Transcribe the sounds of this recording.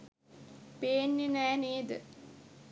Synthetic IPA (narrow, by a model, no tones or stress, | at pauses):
peːnːenɛːneːd̪ə̰